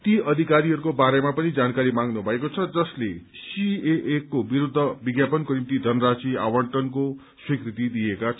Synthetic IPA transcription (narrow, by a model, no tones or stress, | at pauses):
t̪iʔʌd̪ʱikaɾiɦʌɾukobaɾemapʌnid͡zankaɾimãŋɡnubʱʌekot͡sʰʌd͡zʌslesieʔːkːobiɾud̪ʱːʌbiɡjapʌnkonimt̪id̪ʱʌnʌɾasia̰wʌɳʈʌnko | swikrit̪id̪iekat͡sʰ